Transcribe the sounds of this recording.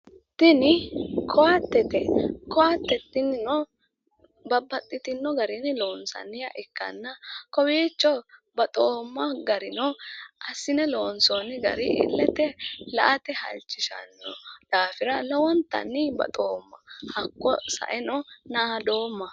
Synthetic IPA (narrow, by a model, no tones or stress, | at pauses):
t̪ɪnɪkʰɔwɐt̪ːɛt̪ɛkɔɐt̪ːɛt̪ːɪnɪnɔ | bɐbːɐt̪ʼːɪt̪ɪnːɔɡɐɾɪnɛlo̞ːnsɐ̰nːɪjɐʔɪkːɐ̰nːɐkɔweːt͡ʃːɔbɐt̪ʼoːmːɐɡɐɾɪnɔʔɐsːɪnɛloːnsɔnɪɡɐ̰ɾɪʔɪ̰lːɛt̪ɛlɐ̰ʔɐt̪ɛhɐ̰lt͡ʃːɪʃɐ̰nːɔd̪̥aːfɪɾɐlɐwɔnt̪ːɐ̰nːɪbɐ̰t̪ʼoːmːɐhɐkːɔsɐ̰ʔɛnɔnaːd̪o̞ːmːɐ